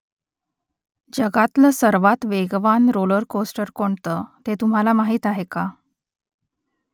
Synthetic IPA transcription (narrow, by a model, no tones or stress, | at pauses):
d͡ʑəɡat̪ləsəɾʋat̪ʋeɡʋanɾoləɾkosʈəɾkoɳt̪ət̪et̪um̤alamaɦiːt̪aɦeka